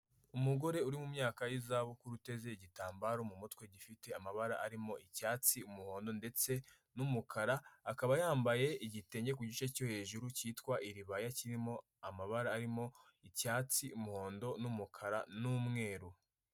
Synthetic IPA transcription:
umuɡo̞ɾe̞uɾimumɲaːkajizaβokuɾute̞ze̞iɟitaːmbaɾomumutwe̞ɟifite̞amaβaɾaʔaɾimo̞ʔicaːt͡siumuho̞ːndo̞nde̞t͡se̞ | numukʰaɾaːkaβajaːmbaje̞iɟite̞ːɲɟe̞kuɟit͡ʃeco̞he̞ʒuɾuciːtkwaʔiɾiβajaciɾimo̞ | amaβaɾaːɾimo̞ | icaːt͡siumuho̞ːndo̞numukʰaɾanumŋe̞ːɾu

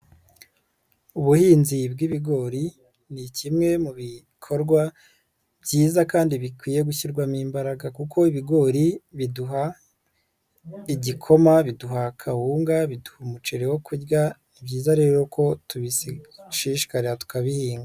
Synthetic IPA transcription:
uβuhiːnzibɡiβiɡo̞ːɾi | nicimŋe̞muβi | kʰo̞ɾɡwa | bjiːzakaːndiβikwiːje̞ɡuçiɾɡwamiːmbaɾaɡakukʰo̞iβiɡo̞ːɾiβiduɦa | iɟikʰo̞maβiduɦakʰahuːŋɡaβiduhumut͡ʃe̞ɾewo̞kuɾɡanibɟiːzaɾe̞ːɾo̞kʰo̞tuβisiʃiʃi̥kaɾeatu̥kaβihiːŋɡa

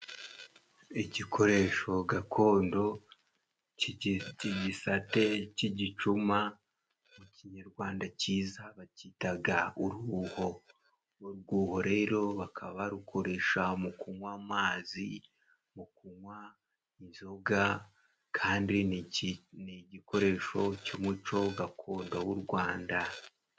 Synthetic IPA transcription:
iɟikʰo̞ɾe̞ʃo̞ɡakʰo̞ːndo̞ | ciɟisate̞ciɟit͡ʃuma | muciɲaɾɡwaːndaciːzaβacitaɡauɾuːho̞ | uɾɡuːho̞ɾe̞ːɾo̞βakʰaβaɾukʰo̞ɾe̞ʃamukuŋwaːmaːzi | mukuŋwa | inzoɡa | kʰaːndi | niɟiko̞ɾe̞ːʃo̞cumut͡ʃo̞ɡakʰoːndawuɾɡwaːnda

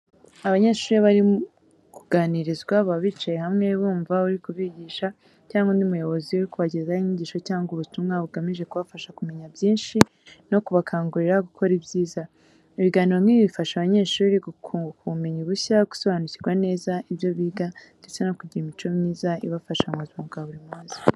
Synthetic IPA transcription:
aβaɲe̞ːʃuːɾeβaɾi | kuɡaːniɾizɡwaβaβiːt͡ʃaje̞ɦamŋe̞βuːɱvauɾikuβiɟiːʃa | caːŋɡonimujo̞βo̞ziuɾikuβaɟezaiɲiɟiːʃo̞caːŋɡuβutumŋaβuɡamiʒe̞kuβafaʃakume̞ɲabjiːnʃi | no̞kuβakʰaːŋɡuɾeɾaɡukʰo̞ɾibɟiːza | iβiɡaːniɾo̞m̥iβifaʃaβaɲe̞ːʃuːɾiɡukuβume̞ɲuβuçaɡu̥so̞βaːnuciɾɡwane̞ːzaiβjo̞βiːɡande̞t͡se̞no̞kuɟiɾimit͡ʃo̞mɲiːzaḭβafaʃaŋazuɡaβuɾimuːzi

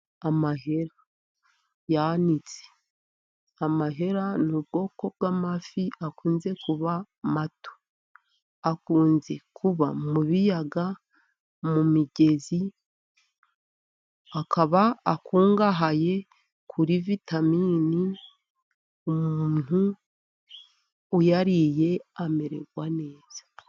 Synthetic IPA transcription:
amaɦe̞ɾa | janit͡se̥ | amaɦe̞ɾanubɡo̞ːko̞b̚ɡamafiakuːnze̞kuβa | mato̥ | akuːnze̞kʰuβa̰muβijaɡa | mumiɟe̞zi | akʰaβaːkuːŋɡaɦaje̞ | kʰuɾivitamiːni | umuuːn̥hu | ujaɾije̞ame̞ɾḛɡwane̞ːz̥ḁ

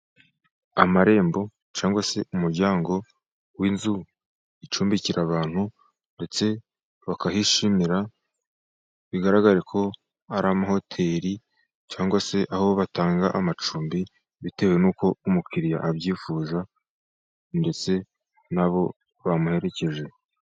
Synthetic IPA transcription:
amaɾe̞ːmbo̞ | t͡ʃaːŋɡwase̞umuɾɟaːŋɡo̞ | winzu | it͡ʃuːmbiciɾaβaːn̥hu | nde̞t͡se̞ | βakahiʃimiɾa | βiɡaɾaɡaɾekʰo̞ | aɾamaɦo̞tʰe̞ːɾi | t͡ʃaːŋɡwase̞ʔahoβoβataːŋɡa̰ʔamat͡ʃuːmbi | βite̞we̞nuːko̞umukʰiɾija̰ʔːβjiːfuːza | nde̞t͡se̞ | naβo̞ | βamuhe̞ɾe̞ce̞ʒe̞

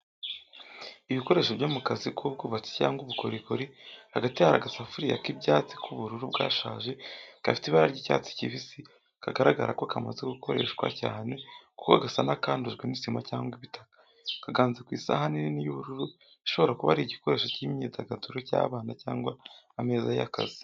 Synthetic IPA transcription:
iβiko̞ɾe̞ːʃoβɟoːmukazikub̚ɡuːβat͡se̥caːŋɡuβuko̞ɾikoɾihaɡatihaɾaɡasafuɾija̰kibjaːt͡si̥kʰuβuɾuɾubɡa̰ːʃa̰ːʒe̞kafi̥tiβaɾaɾɟiːca̰t͡si̥ciβisi | kaɡaɾaɡa̰ɾa̰ko̞kamazeɡukʰo̞ɾe̞̰ʃɡwa̰caːne̞ku̥koɡasanakaːnduʒɡwenisimacaːŋɡwiβitḁkḁ | kaɡaːnzekwiːsa̰hanininijuβuɾuɾu | iʃo̞βo̞ɾakuβa̰ɾiɟiko̞ɾeːʃocimɲizaɡatuɾoca̰ːβaːnacaːŋɡwaːme̞ːzaja̰ka̰zi̥

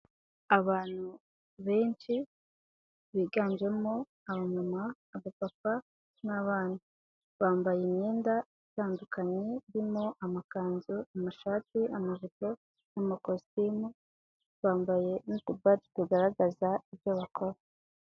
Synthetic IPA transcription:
aβaːn̥hu | βe̞ːnt͡ʃi | βiːɡaːnd͡ʒe̞mo̞ | aβaɲumaː | βapapa | naβaːn̥hu | βaːmbajimɲiːnda | itaːndukaɲeɾimo̞ʔamakaːnzuamaʃaːtiamaʒiko | namakostiːmu | βaːmbaje̞nitubati̥tuɡaɾaɡazaibjoβakʰo̞ɾa

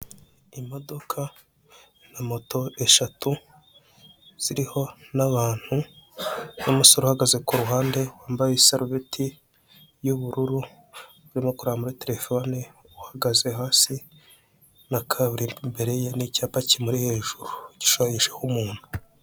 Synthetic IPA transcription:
imo̞do̞kʰa | namo̞to̞e̞ʃatu | z̥iɾiho̞naβaːn̥hu | nomusoɾuhaɡaze̞kuɾuɦaːnde̞waːmbajesaɾvetʰi | juβuɾuɾu | βuɾimokuɾamuɾete̞ɾe̞fo̞ni | uhaɡaze̞ɦaːsi | nakʰaβuɾimbe̞ɾe̞jenicaːpacimuɾihe̞ʒ̥uɾuɟi̥ʃajiʃehumuːn̥hu̥

